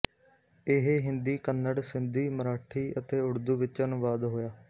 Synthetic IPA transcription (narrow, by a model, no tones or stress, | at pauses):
ɪɦeɦɪ̃nd̪iːkənːəɽsɪnd̪iːməɾaːʈʰiːət̪eːʊɽd̪uːʋɪt͡ʃənʊʋaːd̪ɦoːjaː